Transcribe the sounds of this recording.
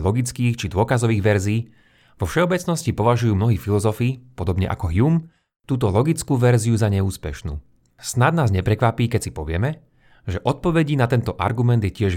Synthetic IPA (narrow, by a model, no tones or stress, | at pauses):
lɔɡit͡skiːxt͡ʃid̪ʊɔkazɔʋiːɣʋɛɾziː | ʋɔfʃɛɔbɛt͡snɔscipɔʋaʒujuːmnɔɦiːfilɔzɔfiːpɔd̪ɔbɲɛ̰ʔa̰kɔɦjum | t̪uːt̪ɔlɔɡit͡skuːʋɛɾziuzaɲɛuːspɛ̰ʃnṵː | snad̪naːzɲɛpɾɛkʋapiːkɛcsi̥pɔʋɪɛmɛ | ʒɛʔɔt̪̚pɔʋɛɟinat̪ɛnt̪ɔʔa̰ɾɡumɛnd̪jɛcɪɛʒ